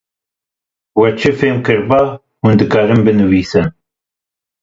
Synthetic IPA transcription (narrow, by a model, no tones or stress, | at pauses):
wɛt͡ʃʰɨfeːmkɨɾbɑː | hund̪ɨkɑːɾɨmbɨnɨwiːsɨn